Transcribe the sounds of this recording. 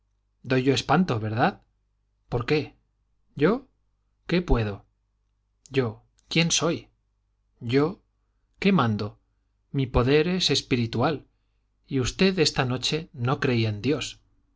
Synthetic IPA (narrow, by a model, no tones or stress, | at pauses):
d̪o̞jʝo̞e̞spant̪o̞βe̞ɾðað | po̞ɾke̞ | ɟ͡ʝo̞ | ke̞pwe̞ð̞o̞ | ɟ͡ʝo̞ | kje̞nso̞j | ɟ͡ʝo̞ | ke̞mãnd̪o | mipo̞ðe̞ɾe̞se̞spiɾit̪ual | iust̪e̞ðe̞st̪ano̞t͡ʃe̞no̞kɾe̞iaend̪jo̞s